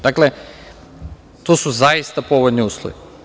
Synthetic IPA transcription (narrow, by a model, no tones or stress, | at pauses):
d̪akle | t̪osuzaist̪apo̞ʋod̪niuːslˠo̰ʋi